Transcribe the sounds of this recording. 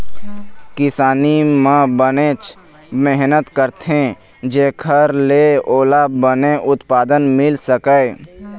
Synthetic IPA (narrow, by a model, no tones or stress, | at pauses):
kɪsaːnimə̃bənet͡ʃ | meɦnət̪kəɾt̪ɦẽ | d͡ʒeːkʰəɾleoːlabəneʔʊt̪paːd̪ənmɪlsəkə